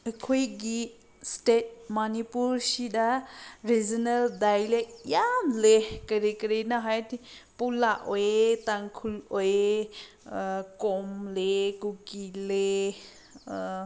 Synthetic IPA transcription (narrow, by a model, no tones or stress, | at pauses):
əkʰujɡi | stet̚manipuɾsidaɾizɔnəldajlejanlekəɾikəɾinaɦajtipulaʔojetaŋkʰuloje | kɔmlekukile